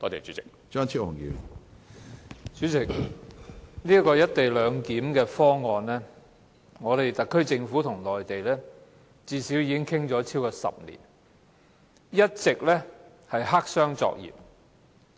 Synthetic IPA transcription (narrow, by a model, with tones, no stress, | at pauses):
t̪ɔː˧˩t̪e˨˩t͡ʃyː˨˦˥t͡sɪ˨˩k̚ | t͡ʃœː˥ŋt͡ɕʰi˥whʊ˨ŋjḭ˧w | t͡ʃyː˨˥t͡sɪ˨k̚ | liː˥ɐ˥kɔː˧jɐ˥t̚t̪e˨jlœː˨˧ŋkiː˨˥mkɛː˧fɔː˥ŋɔː˨nlɛː˥ | ŋɔː˨˧t̪e˨jt̪ɐ˨kʰːɵ˥ɥt͡sɪ˧ŋfuː˨˥t̪ʰʊ˨˩ŋlɔː˨jt̪e˨jlɛː˥ | t͡siː˧siː˨˥wjiː˨˧kɪ˥ŋkʰɪ˥ŋt͡sɔː˨˥t͡sʰiː˥wkɔː˧sɐ̰˨p̚nḭː˨˩n | jɐ˥t̚t͡sɪ˨k̚lɛː˥ | hɐ˨jɦa˥k̚sœː˥ŋt͡sɔ̰ː˧k̚jḭː˨˩p̚